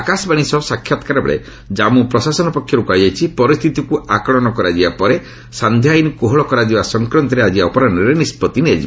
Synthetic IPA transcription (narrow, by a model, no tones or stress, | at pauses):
akasɔbaɽ̃isɔsakʰːjat̪ɔ̥kaɾɔbɔ̰ɭḛ | d͡ʒamupɾɔsasɔnɔpɔkʰːjɔɾukaid͡ʒajt͡ʃʰipɔɾist̪ʰit̪ikuakɭɔnɔkɔɾad͡ʒibapɔɾe | sand̪ʱjajnikoɦɔɭɔkɔɾad͡ʒibasɔŋkɾɔnt̪ɔɾead͡ʒibaɔpɔɾanɔɾenispɔt̪inead͡ʒḭb